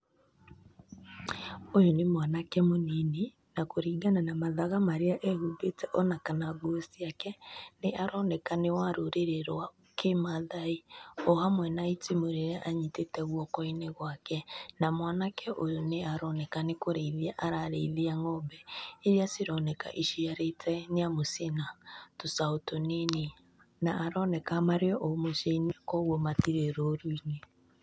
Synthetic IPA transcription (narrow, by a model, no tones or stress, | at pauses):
ojonemwanakɛmonine | nakoɾiːɡananamaðaɣamaɾeaʔɛɣuɡetɛʔɔnakanaɡoosiakɛneʔaɾɔnɛkanewaɾoɾeɾeɾwa | kʰemaðaiɔɦamwɛnaitimoɾeɾɛʔaɲitetɛɣwɔkɔineɣwakɛnamwanakɛʔojoneaɾɔnɛkanekoɾeiliaʔaɾaɾḛileaŋɔmbɛeɾiasiɾɔnɛka̰ʔiʃiaɾeitʰɛneamosenatosaotonene | naʔːɾɔnɛkamaɾeɔʔomoʃeinekɔɣwɔmatiɾeɾoːɾuine